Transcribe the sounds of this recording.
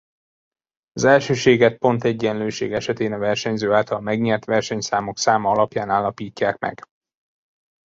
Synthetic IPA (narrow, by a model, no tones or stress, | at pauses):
ɒzɛlʃøːʃeːɡɛt̪̚po̞nt̪ɛɟːɛnløːʃḛːɡɛʃɛt̪eːnɒvɛrʃɛɲzøːaːlt̪ɒlmɛɡɲɛrt̪ʋɛrʃɛɲsaːmo̞ksaːmɒɒlɒpjaːnaːlːɒpiːcːaːkmɛ̰ɡ̥